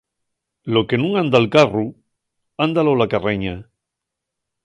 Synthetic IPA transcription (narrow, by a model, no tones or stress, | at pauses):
lokenũŋand̪alkaru | and̪alolakareɲa